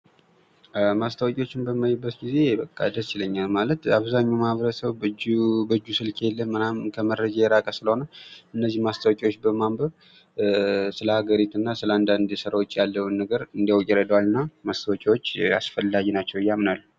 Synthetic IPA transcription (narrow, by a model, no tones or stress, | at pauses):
mast̪ʰəwkʼwo̞t͡ʃːɪnbəmːajɪbːət̪ɡize̞bəkʼːa̰d̪əst͡ʃɪləɲːalmalət̪aβzaɲːawmaβɾəsəwd͡ʒbəd͡ʒːusɨlkʰejɛlːənmənamkʰəməɾːəd͡ʒajɛɾakʼəsɨləho̞nəwʔɨnːəzːihmast̪ʰəwkʼiwot͡ʃːbəmambəβ | sɨləhaɡəɾit̪ɨnːasɨləand̪and̪sɨɾawot͡ʃʼːjalːəwnːəɡəɾɨnd̪iawkʼɛɾəd̪əwalɨnːamast̪ʰəwkʼiwo̞t͡ʃːa̰sfəlːaɡnat͡ʃːɛwɨjːamnalːu